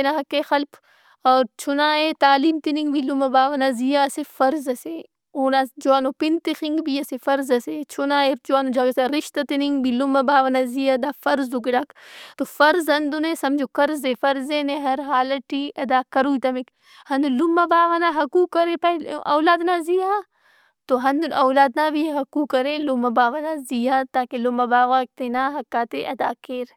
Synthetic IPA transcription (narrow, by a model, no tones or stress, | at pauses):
enaɦɐkːeːxɐlp | ɔːɾt͡ʃʰunaːet̪aːliːmt̪iniŋɡbʱilumɐbaːʋɐnazijaɐsefɐɾzɐse | oːnad͡ʒuaːnoːpint̪ixiŋɡbʱiɐsefɐɾzɐset͡ʃʰunaːed͡ʒuaːnod͡ʒɐɡseɾɪʃt̪ɐt̪iniŋɡbilumɐbaːʋɐnazijaɐd̪aːfɐɾzuɡiɖaːkt̪ofɐɾzɦɐnd̪unẽsɐmd͡ʒokɐɾzefɐɾzeːneɦɐɾɦaːlɐʈiːʔɐd̪aːkɐɾuːit̪ɐmik | hɐnd̪ulumːɐbaːʋanaɦɐkuːkːɐɾẽpɐɐ̰ːlaːd̪naːzijãː | t̪oɦɐnd̪unɐwlaːd̪naːbiɦɐkuːkːɐɾelumɐbaːʋanaːzijãːt̪aːkelumɐbaːʋak̚t̪enaːɦɐkːaːt̪eʔɐd̪aːkeːɾ